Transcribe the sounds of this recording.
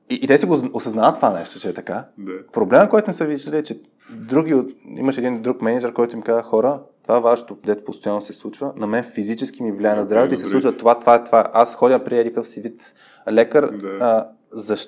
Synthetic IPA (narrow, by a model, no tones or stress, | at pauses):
iʔt̪ɛsiɡoosɐznavət̪ːovanɛʃt̪o̥t͡ʃɛːt̪ɐkapɾoblɛməkɔjt̪onɛsəviʒd̪ɐlʲit͡ʃɛ | d̪ɾuɡʲioḭmɐʃɛd̪ind̪ɾukmɛnʲid͡ʒɛɾkɔjt̪ʊimkazəxɔɾət̪ovavaʃɛ̥t̪od̪ɛt̪o̥post̪ojanːosɛslˠut͡ʃvənɐmɛnfizit͡ʃɛsk̟imivlʲjaɛnɐzd̪ɾavɛt̪oisɛsˠut͡ʃvət̪ovat̪ovaɛt̪vaʔasxɔdʲəpɾiɛd̪ʲikəfsivit̪ | lɛkəɾ | zɐʃ